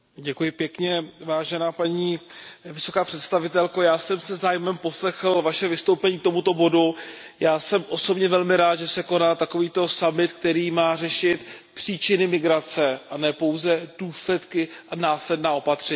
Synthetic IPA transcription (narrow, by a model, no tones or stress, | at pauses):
ɟɛkujɪpjɛkɲɛvaːʒɛnaːpaɲiːvɪso̞kaːpr̥ɛt̪st̪avɪt̪ɛlkojaːsɛmsɛzaːjɪmɛmpo̞slɛxl̩vaʃɛvɪst̪owpɛɲiːkt̪o̞mut̪o̞bo̞du | jaːsɛmʔo̞so̞bɲɛvɛlmɪɾaːt̪ʒɛsɛko̞naːt̪ako̞viːt̪o̞samɪt̪k̚t̪ɛɾiːmaːr̝ɛʃɪt̪pr̝̥iːt͡ʃɪnɪmɪɡɾat͡sɛʔanɛːpo̞wzɛd̥uːslɛt̪kɪʔanaːslɛdnaːo̞pat̪r̝̥ɛɲː